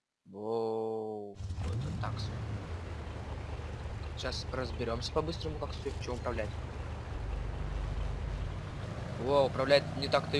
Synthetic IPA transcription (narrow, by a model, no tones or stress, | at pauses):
o | ot̪ot̪ːaksʲo | ɕasrəzbʲɪɾʲo̞msʲə̥pɐbɨst̪ɾəmʊkaksʲɵt͡ɕɪvoʊpɾɐvlʲætʲ | oʊpɾɐvlʲæt̪ʲnʲɪt̪akt̪ɨ